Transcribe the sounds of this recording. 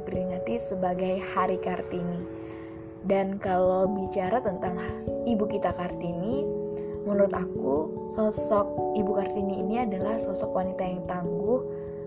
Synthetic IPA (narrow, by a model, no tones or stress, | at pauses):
pəɾiŋət̪isəbaɡajhaɾikart̪ini | dankalawbit͡ʃaɾat̪ənt̪aŋibukit̪akart̪ini | mənuɾʊt̪aku | sɔsɔk̚ibukart̪iniːniadalahsɔsɔkwanit̪ajaŋt̪ambʊh